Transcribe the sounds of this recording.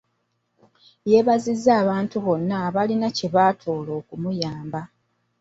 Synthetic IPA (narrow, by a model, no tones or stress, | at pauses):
je̞βazizːaːβaːntuβo̞nːaːβalinaceβaːtʰo̞ːlo̞ːkumujaːmba